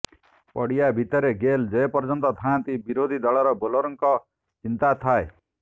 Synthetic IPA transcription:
pɔɽijabʱit̪ɔɾeɡeld͡ʒɔepɔɾd͡ʒɔnt̪ɔt̪ʰaãt̪ibiɾod̪ʱid̪ɔɭɔɾɔbolɔɾɔŋkɔ | t͡ʃint̪at̪ʰae

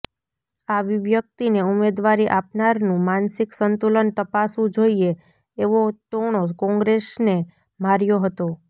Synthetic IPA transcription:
aʋiʋjəkt̪ineumed̪ʋaɾiʔapnaɾnũmansiksənt̪ulənt̪əpasũd͡ʒoieː | ʋot̪oɽ̃okɔ̃ŋɡɾesne | maɾjoɦət̪o

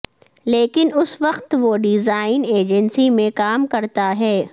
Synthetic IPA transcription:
leːkɪnʊsʋɐqt̪ʋoɖɪzaːɪneːd͡ʒənsimẽkaːmkɐɾt̪aɦɛː

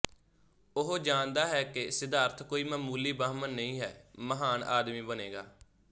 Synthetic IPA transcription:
ʊɦd͡ʒãːnd̪aːɦɛːkɪsɪd̪aːɾt̪ʰkoːiːməmuːliːbəːɦmənːəĩːɦɛːməɦaːnʔa̰ːd̪miːbəneːɡaː

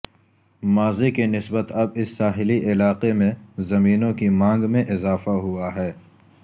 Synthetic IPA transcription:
maːzikenɪsbət̪ɐbɪsːaːɦɪliʔɪlaːqemẽzɐmiːnõkimãːŋɡmẽʔɪzaːfaɦuaɦɛː

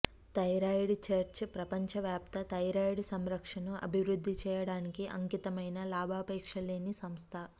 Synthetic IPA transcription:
t̪ɐjɾaːjɽt͡ʃeɾt͡ʃpɾɐpɐɲt͡ʃɐʋjaːp̚t̪ɐt̪ɐjɾaːjiɽsɐmɾɐkʂɐnuʔɐ̰bʱiʋɾud̪ʱːit͡ʃɛːjɐɽaːnikiʔɐ̰ŋkit̪ɐmɐjnɐlaːbʱaːpɛːkʂɐleːnisɐmst̪ʰɐ

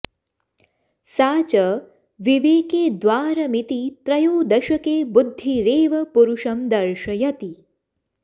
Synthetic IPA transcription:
saːt͡ʃɐ | ʋiʋeːkeːd̪ʋaːɾɐmit̪it̪ɾɐjoːd̪ɐʃɐkeːbud̪ʱːiɾeːʋɐpuɾuʃɐmd̪ɐɾʃɐjɐt̪i

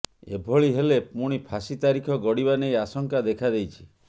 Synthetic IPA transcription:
ḛbʱoɭiɦelepuɽ̃ipʰasit̪aɾikʰɔɡɔɽibanejasɔŋkad̪ekʰad̪ejt͡ʃʰi̥

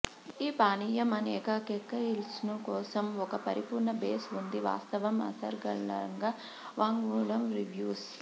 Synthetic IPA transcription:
iːpaːniːjɐmɐnɛːkɐkɛkːɐilsnukɔːsɐmɔkɐpɐɾipuːɾɳɐbeːsund̪iʋa̰ːst̪ɐʋɐmɐ̰sɐ̰ɾɡɐɭɐŋɡɐ | ʋaːŋɡuːɭɐmɾiʋjuːs

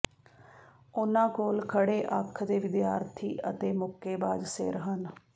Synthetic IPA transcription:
ʊnãːkoːlkʰəɽeːʔəkʰd̪eːʋɪd̪jaːɾt̪ʰḭːʔət̪eːmʊkeːbaːd͡ʒsɪ̰ɾɦən

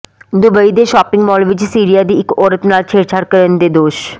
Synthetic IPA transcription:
d̪ubəid̪eʃɔpiŋmɔlʋid͡ʑisiɾijad̪iʔekoɾət̪naɾt͡ɕʰeɾt͡ɕʰaɾkəɾənd̪ed̪oʃ

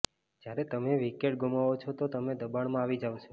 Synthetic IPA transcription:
d͡ʒjaɾet̪əmeʋikeʈɡumaʋot͡ʃʰot̪ot̪əmed̪əbaɳmãaʋid͡ʒaʋot͡ʃʰo

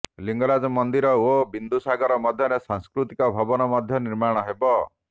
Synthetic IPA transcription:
liŋɡɔɾad͡ʒɔmɔnd̪iɾɔobind̪usaɡɔɾɔmɔd̪ʱjɔɾesaŋskɾut̪ikɔbʱɔbɔnɔmɔd̪ʱjɔniɾmaɽ̃ɔɦebɔ

